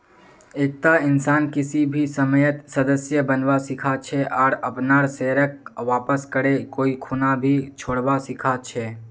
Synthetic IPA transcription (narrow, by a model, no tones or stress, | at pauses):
eːk̚t̪aɪnsaːnkɪsibʱisəməjət̪səd̪əsjəbənʋasɪkʰat͡ʃʰeʔɔːɾəpnaːɾseːɾək̚ʋaːpəskəɾekoːikʰuːnabʱit͡ʃʰoːɽbasɪkʰat͡ʃʰɛː